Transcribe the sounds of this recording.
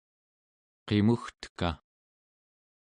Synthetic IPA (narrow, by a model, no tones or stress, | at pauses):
qemuxt̪ə̥ka̰